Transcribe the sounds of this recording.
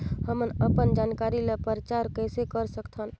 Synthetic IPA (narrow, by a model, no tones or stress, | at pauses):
həmənəpənd͡ʒankaɾilepəɾt͡ʃaɾkəjsekəɾsəkt̪ʰən